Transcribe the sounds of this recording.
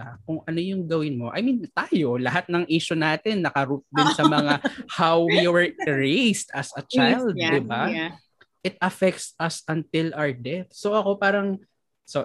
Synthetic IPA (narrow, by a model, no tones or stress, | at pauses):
akʊŋʔɐno̞jʊŋɡɐwɪnmo̞ʔɐ̰jmint̪aːjo̞lɐɦat̪̚nɐŋʔiːʃonaːt̪ɛnːɐkɐɾut̪̚d̪ɪnsɐmɐŋahawwiwɛɹɹejst̪ɐsɐt͡ʃajld̪̚dɪba | ʔɪt̪̚ɐfɛk̚t̪sɐsɐnt̪ɪlʔawɛɹd̪ɛθ̚soʔɐko̞paːɾɐŋ | so